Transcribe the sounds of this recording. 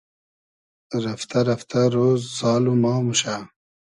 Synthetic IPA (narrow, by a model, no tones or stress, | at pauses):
ɾɐft̪ɐɾɐft̪ʰaɾoːzzɑːlumɑːmuɕa